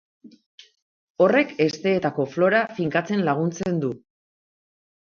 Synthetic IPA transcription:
o̞re̞ke̞st̪e̞ːt̪ako̞flo̞ɾafiŋkat͡se̞nlaɣ̞unt͡se̞nd̪u

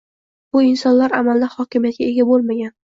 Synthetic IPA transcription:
b̥ʊɪnsɒnlaɾamald̪ahɒkʲɪmijat̪ɡʲae̞ɡʲabolˠmaɡʲan

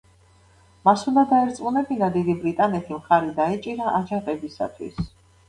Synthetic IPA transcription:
masund̪ad̪aɛɾt̪sʼqʼunɛbinad̪id̪ibɾit̪ʼanɛt̪ʰimχaɾid̪aɛt͡ʃʼiɾaʔad͡ʒaʁɛbisa̰t̪ʰwḭs

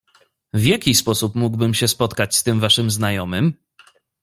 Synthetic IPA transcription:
vʲjakʲispɔsupmuɡwbɘmɕɛspɔt̪kat͡ɕst̪ɘmvaʂɘmznajɔmɘm

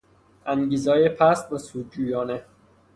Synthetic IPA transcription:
ʔæŋɟiːzɒːjepʰæst̪̚besuːd̪̚d͡ʒuːjɒːne

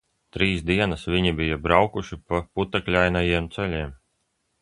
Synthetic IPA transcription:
t̪ɾiːsd̪iɛnasvʲiɲibijabɾawkuʃipaput̪aklʲajnajiɛmt̪sɛlʲiɛm

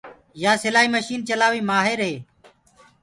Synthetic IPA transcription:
jaːsɪlaːɦiːməʃiːnt͡ʃəlaːʋiːmaːɦeɾɦeː

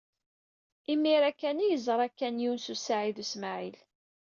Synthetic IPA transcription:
imːiɾækːænijəzˤəɾˤækːænjiwnsusaʕiðusmaʕil

